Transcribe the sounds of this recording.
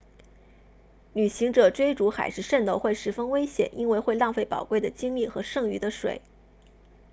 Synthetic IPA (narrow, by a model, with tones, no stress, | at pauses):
ly˨˩ɕi˧˥ŋʈ͡ʂɤ˨˩ʈ͡ʂwe˥ɪʈ͡ʂu˧˥xa̰˨˩ɪʂɻ̩˥˧ʂə˥˩nt̪o˧ʊxwe˥˩ɪʂɻ̩˧˥fə˥ŋwe˥ɪɕjɛ̰˨˩˦nʔi˥nwe˥˧ɪxwe˥˧ɪlɑ˥˧ŋfe˥˩ɪpɑ˨˩ʊkwe˥˩ɪd̪ə˩t͡ɕi˥ŋli˥˩xɤ˧˥ʂɤ˥˩ŋy̰˧˥d̪ə˧ʂwḛ˨˩˦ɪ